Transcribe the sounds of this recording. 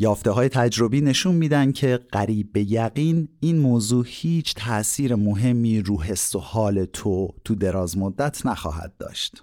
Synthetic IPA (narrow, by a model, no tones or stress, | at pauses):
jɒːft̪e̞ɦɒːje̞t̪ʰæd͡ʒɾo̞biːne̞ʃunmiːd̪ænd̪̥̚cʰe̞ɢ̥æɾiːbːe̞jæɣiːniːnmoːzuːhiːt͡ʃʰt̪ʰæʔsiːɾemoɦe̞mːiːɾuːɦe̞st̪ohɒːle̞t̪ʰot̪ʰud̪e̞ɾɒːzmod̪ːæt̪ʰnæxɒ̰ːɦæ̰d̪̥̚dːɒ̰ːʃt̪